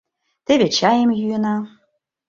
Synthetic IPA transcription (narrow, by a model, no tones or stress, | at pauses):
t̪eβet͡ɕɑjĕmjyĕnɑ